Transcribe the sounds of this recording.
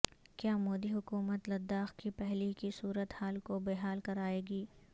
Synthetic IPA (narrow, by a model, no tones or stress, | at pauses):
kjaːmoːd̪iɦʊkuːmət̪lɐd̪ːaːxkipɛɦlikisuːɾət̪haːlkobeːɦaːlkɐɾaːeːɡiː